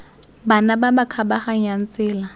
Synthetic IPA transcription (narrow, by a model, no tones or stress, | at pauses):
banababakʰabaχaŋ̩jan̩t͡sʼɪːla